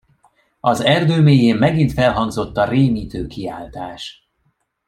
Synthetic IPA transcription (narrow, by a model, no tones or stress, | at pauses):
ɒzɛrd̪øːmeːjeːmːɛɡint̪fɛlɦɒŋɡzo̞t̪ːɒreːmiːt̪øːkiaːlt̪aːʃ